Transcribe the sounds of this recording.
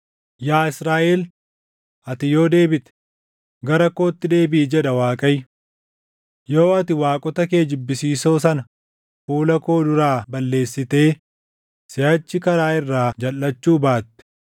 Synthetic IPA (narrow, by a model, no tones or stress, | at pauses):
jaːɪsɾaːʔel | ʔɐt̪ɪjo̞ːd̪e̞ːbɪt̪ɛ̥ | ɡɐɾɐko̞ːt̪ːɪd̪e̞ːbɪʔːd͡ʒɛᶑɐwaːkʼɐj | jo̞ːɐt̪ɪwaːkʼɔt̪ɐke̞ːd͡ʒɪbːɪsiːso̞ːs̬ɐnɐ | fuːlɐko̞ːd̪ʊɾaːbɐlːe̞ːsːɪt̪e̞ː | sɪhɐt͡ʃːɪkɐɾaːɪrːaːd͡ʒɐlːɐt͡ʃːuːbaːt̪ːɛ̥